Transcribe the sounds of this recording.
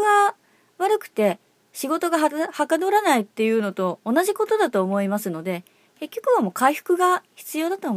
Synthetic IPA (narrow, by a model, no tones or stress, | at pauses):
ɡa | βaɾɯ̟kɯ̟̥t̪e̞ | ɕiɡo̞t̪o̞ɡaɦahakad̪oɾanait̪ːe̞jɯ̟ːno̞t̪o̞ːnaʑiko̞t̪o̞d̪at̪o̞ːmo̞imasɨno̞d̪e̞ | ke̞kʲːo̞kɯ̟βamo̞ːkaiɸɯ̟̥kɯ̟ɡaçi̥t͡sɨjo̞ːd̪at̪o̞ːm